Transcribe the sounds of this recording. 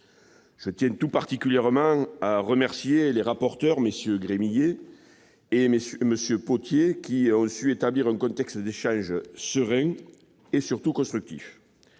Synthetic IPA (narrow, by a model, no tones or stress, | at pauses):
ʒ̥ət̪jɛ̃t̪upaʁt̪ikʲyljɛʁmɑ̃aʁəmɛʁsjeleʁapɔʁt̪œʁmesjøɡʁemije | emməsjøpot̪jekʲiɔ̃syet̪abliʁɛ̃ŋkɔ̃t̪ɛkst̪d̪eʃɑ̃ʒsəʁɛ̃ | esyʁt̪ukɔ̃st̪χyk̚t̪ḭf